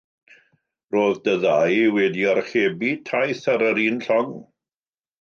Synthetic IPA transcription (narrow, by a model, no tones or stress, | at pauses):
roːðdəðajwɛdiarχeːbitʰajθaɾəɾiːnɬɔŋ